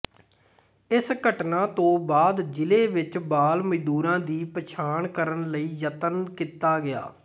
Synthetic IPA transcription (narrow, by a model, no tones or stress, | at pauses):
ɪsɡəʈnãːt̪õːbaːd̪d͡ʒɪleːʋɪt͡ʃbaːlməd͡ʒd̪uːɾãːd̪iːpət͡ʃʰaːɳkəɾəɳləiːjət̪ənkit̪aːɡɪja̰ː